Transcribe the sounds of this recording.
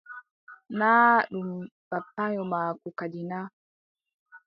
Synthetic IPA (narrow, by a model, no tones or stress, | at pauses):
naːɗum | b̥apːaɲɔmaːkukadinaː